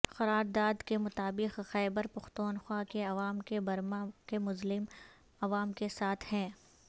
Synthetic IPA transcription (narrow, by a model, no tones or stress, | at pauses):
xɐɾaːɾd̪aːd̪kemʊt̪aːbɪqxɛːbəɾpɐxt̪uːnxwaːkeɐʋaːmkebɐɾmakemʊzlɪm | ɐʋaːmkesaːt̪ʰhɛ̃ː